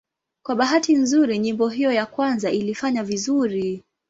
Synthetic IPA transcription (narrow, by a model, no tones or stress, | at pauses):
kwaɓaɦatinzuɾiɲimbɔɦijɔjakwanzaʔilifaɲavizuɾi